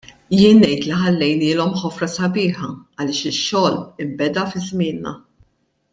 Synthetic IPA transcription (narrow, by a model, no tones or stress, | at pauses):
jɪːnːɛjt̪liħɐlːɛjnɪːlɔmħɔfɾɐsɐbɪːħɐɐlɪːʃɪʃːɔːlɪmbɛd̪ɐfɪzmɪːnːɐ̰